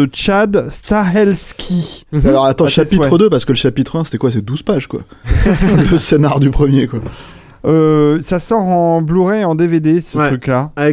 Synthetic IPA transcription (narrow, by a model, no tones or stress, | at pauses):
ət͡ʃad̪st̪aɛlskʲʰialɔʁat̪ɑ̃ʃapiɛχəd̪øpaʁsə̥kələʃapit̪χɛ̃se̥t̪ɛkwaset̪ɛd̪uz̥paʒkwa̰ | ləsenaʁd̪ypχəmjekwa | øsasɔʁɑ̃bluʁɛɑ̃d̪eved̪esəχykla